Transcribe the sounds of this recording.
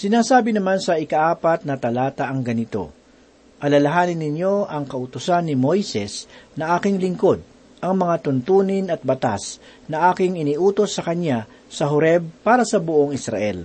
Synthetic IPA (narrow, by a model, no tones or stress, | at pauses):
sɪnaːsaːbɪnɐmansɐʔɪkɐʔaːpɐt̪̚nɐt̪ɐlaːt̪ɐʔɐŋɡɐnɪt̪o̞̰ | ʔɐlɐlɐɦaːnɪnːɪɲjo̞ʔɐŋkɐʔʊt̪ʊsanːɪmo̞jsɛsnɐʔaːkɪŋlɪŋko̞d̪̚ | ʔɐŋmɐŋat̪ʊnt̪uːnɪnɐt̪̚bɐt̪a̰s | nɐʔaːkɪŋɪniʔuːt̪o̞sːɐkɐɲja | sɐɦʊɾɛb̚paːɾɐsɐbʊʔoŋɪsɾɐ̰ʔɛ̰l